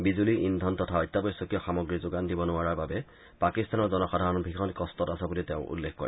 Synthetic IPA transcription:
bizuliʔindʱɔntɔtʰaɔjtːabɔjsːɔkijɔxamɔɡɹizoɡandibɔnʊaɹaɹbabɛ | pakistanɔɹzɔnɔxadʱaɹɔnbʱikʰɔnkɔstɔtasabuliteʊ̃ʔṵlːekʰkɔ̰ɹɛ

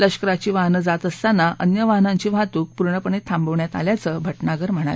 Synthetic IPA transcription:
ləɕkəɾat͡ɕiːʋaɦnəd͡zat̪əst̪anaʔə̰njəʋaɦnãɲt͡ɕiːʋat̪uːk̚puɾɳəpəɳet̪ʰãmbəʋɳjat̪aljat͡səːbʱəʈnaɡəɾm̤əɽ̃a̰l

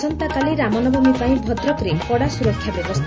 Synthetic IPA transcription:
ɔnt̪akaliɾamɔnɔbʱumipaĩbʱɔd̪ɾɔkɾipɔɽasuɾɔkʰːjabjɔbɔst̪ʰ

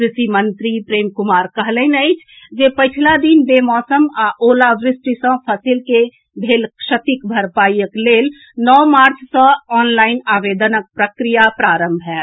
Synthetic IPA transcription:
kɾɪsimənt̪ɾipɾeːmkʊmaːɾkəɦləɪnəɪt͡ʃʰ | d͡ʒepət͡ʃʰlad̪inbemɔːsəmaʔoːlaʋɾɪsʈisə̃pʰəsilke | bʱeːlkʃət̪ikbʱəɾpaːjəkleːl | nɔːmaːɾt͡ʃʰsə̃ɔːnlaːɪnaːʋed̪ənək̚pɾəkɾijapɾaːɾəmbʱɦɛ

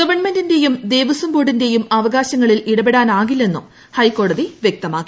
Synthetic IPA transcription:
ɡɐʋɐɳme̞ndinde̞jumd̪e̞ːʋɐsɐmbo̞ːɽinde̞jumɐʋɐɣaːɕɐŋːɐɭiliɽɐbeɽaːnaːɣilːe̞nːum | hɐjkːo̞ːɽɐðiʋjek̚t̪ɐmaːkːi

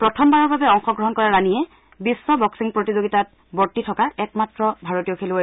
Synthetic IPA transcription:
pɹɔtʰɔmbaɹɔɹbabɛɔŋxɔɡɹɔɦɔnkɔɹaɹanijɛ | bisːɔbɔksiŋpɹotizoɡitat̚ | bɔɹtːitʰɔkaɛkmatɹɔbʱaɹotijɔkʰelu

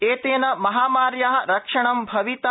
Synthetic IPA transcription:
eːt̪eːnɐmɐɦaːmaːɾjaːɦɐɾɐkʂɐɳɐmbʱɐʋit̪a

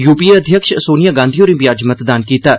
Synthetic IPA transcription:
juːpiːɐd̪ʱjəkʃsoːnijaːɡãːnd̪ʱijoːɾĩːbijaːd͡ʒmət̪d̪aːnkiːt̪aː

